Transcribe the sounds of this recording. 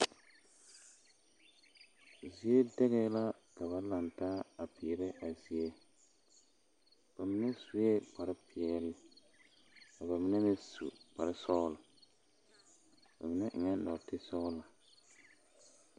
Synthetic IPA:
zi˨e˦dɛ˦ɣɛ˦la˦ | ka˨ba˨la˨ntaː˦a˨pɪ˨ɾɪ˦ʔa˨zi˨e˦ | b̥a˨mɪ˨˦nɛ˦su˨ɛ˦k͡pa˨ɾɪ˦pɪ˨ɛ˨lɪ˦ | ka˨ba˨mɪ˦nɛ˦mɪ˦sṵ˨k͡pa˨ɾɪ˦sɔ˦la˨ | ba̰˨mɪ˨nɛ˦ʔɪ˨ŋɛ˦nɔ̰˨tɪ˦sɔ˦la˨

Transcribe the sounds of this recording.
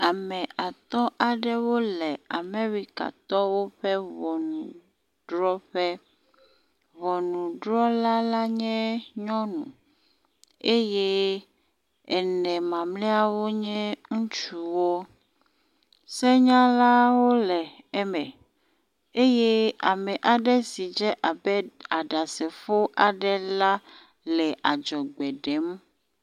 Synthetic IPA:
a˨mɛ̃˨a˨t̪ɔ̃˦ʔa˨ɖɛ˦wo˦lɛ˨a˨mẽ˦wi˦ka̰˨t̪ɔ˦wo˦ɸɛ˦βɔ˨nũ˨ | ɖɾɔ˦ɸɛ˦ | βɔ˨nũ˨ɖɾɔ˦la˦la˦ɲɛ̃˦ɲɔ̃˦nṵ̃˨ | e˦je˦ | ɛ˨nɛ̃˨mã˨mlɛ˦a˨wo˦ɲɛ̃˦ŋũ˦t͡ʃu˦wo˦ | sɛ˦ɲã˦la˦wo˦lɛ˨ | ɛ˦mɛ̃˨ | e˦je˦a˨mɛ˨ʔa˨ɖɛ˦si˨d͡ʒɛ˦ʔa˨bɛ˦a˨ɖa˨sɛ˨fo˦ʔa˨ɖɛ˦la˦ | lɛ˨ʔa˨d͡ʒɔ˨ɡ͡bɛ˨ɖɛ˨˦m˦

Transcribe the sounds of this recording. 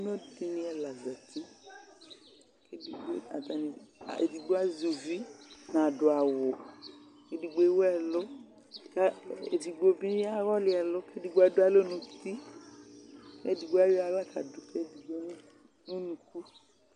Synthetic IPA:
no˦ti˧nĩ˧ɛ˧la˨zɛ˨ti˦ | ke˦di˨ɡ͡bo˦a̰˨ta˨nḭ̃˧˨ḛ˨di˨ɡ͡ba˦zu˨vi˦nã˨dʊ˨a˨wʊ˨ | e˨di˧ɡ͡be˧˦wɛ˨lʊ˦ | ka˦ḛ˨di˨ɡ͡bo˧bi˦nĩ˦a˦ɾɔ˦lɪ˦ɛ˨lʊ˦ke˦di˨˧ɡ͡ba˦dʊ˦a˦lo˦nõ˧ti˦ | ke˦di˧ɡ͡ba˦ji˦a˧˨la˦˨ka˨dʊ˨ke˦di˨ɡ͡bo˦n˦ | no˦nũ˧ku˦

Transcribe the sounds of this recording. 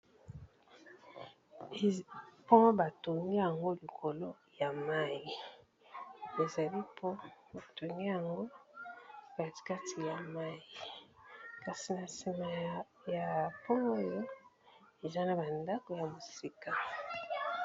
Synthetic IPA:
po˦ba˨to˨ŋɡi˦ja˨ŋɡo˦li˨kʰo˨lo˦ | ja˨ma˦ji˨ | e˨za˨li˦pʰo˦ba˨twe˨ŋɡi˦ja˨ŋɡo˦ | ba˨ka˦tʰi˨ja˨ma˦ji˨ | ka˨si˨na˨si˨ma˨ | ja˨po˦o˦jo˦ | e˨za˦na˨ba˨nda˦ko˨ja˨mo˨si˦ka˨

